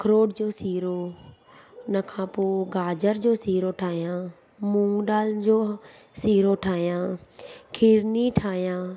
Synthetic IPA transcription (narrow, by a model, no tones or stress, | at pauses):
kəɾoːɖd͡ʑoːsiːɾoː | nəkʰãːpoːɡaːd͡ʒəɾd͡ʑoːsiːɾoːʈʰaːɦijãː | mũːŋɡɗaːld͡ʑoːsiːɾoːʈʰaːɦjãːkʰɪɾniʈʰaːjãː